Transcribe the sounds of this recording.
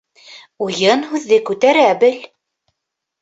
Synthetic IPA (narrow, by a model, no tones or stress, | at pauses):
ujɤnhʉðːɘkʉt̪æɾæbɘl